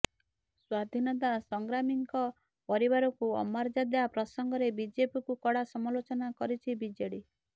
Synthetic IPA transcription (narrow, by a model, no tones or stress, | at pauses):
swad̪ʱinɔt̪̬asɔŋɡɾamiŋkɔ | pɔɾibaɾɔkuɔ̰maɾd͡ʒad̪ebapɾɔsɔŋɡɔɾebid͡ʒepikukɔɽasɔmalot͡ʃɔnakɔɾit͡ʃʰibid͡ʒeɽi